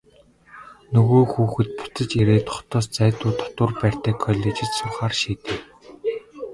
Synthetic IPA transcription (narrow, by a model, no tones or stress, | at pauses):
nɵɣoːxuːxɘ̆t̪̚pʊ̥t̪ə̆t͡ɕeɾeːt̪ʰʊ̥χt̪ɔːst͡sæːt̪ʊːt̪ʰɔ̥t̪ʊ̆rpæːr̥ʲt̪æːkʰɔɮʲeːt͡ɕɪ̆t̪sʊrχaːrʃiːt̪ĕː